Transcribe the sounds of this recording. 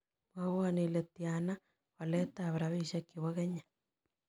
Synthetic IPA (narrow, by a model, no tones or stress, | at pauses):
mwaɣaniletjana | waletaβeɾaβiʃakiβaɣeɲḁ